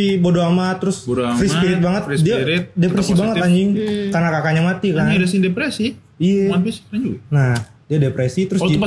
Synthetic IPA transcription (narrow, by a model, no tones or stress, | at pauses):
ibodoamat̪əɾʊsbdafɾisspiɾɪt̪̚baŋət̪̚diaɾɪt̪̚depɾesibaŋət̪aɲd͡ʒɪŋkarnakakaɲamat̪ikadasɪdepɾesi | ijaapisaɲd͡ʒunah | diadepɾesit̪əɾʊs